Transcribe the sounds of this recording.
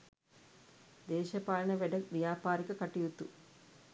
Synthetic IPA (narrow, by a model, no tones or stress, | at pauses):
d̪ɛːʃɐpaːlɐɳɐʋeɖɐkʋjaːpaːɾikɐkɐʈijut̪ːu